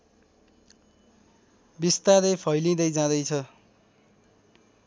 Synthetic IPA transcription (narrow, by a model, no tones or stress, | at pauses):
bist̪aɾepʰʌjlĩd̪ʌjd͡zãd̪ʌjt͡sʰʌ